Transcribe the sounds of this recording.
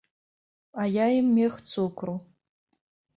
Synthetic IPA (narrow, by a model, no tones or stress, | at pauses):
ajajimːeχt͡sʰukʷʰru